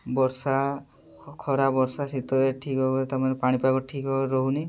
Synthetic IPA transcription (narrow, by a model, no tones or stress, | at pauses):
bɔɾsa | kʰɔɾabɔɾsasit̪ɔɾeʈʰikɔɔɾt̪aɾmanepaɽ̃ipakɔʈʰikɔɾɔɦuni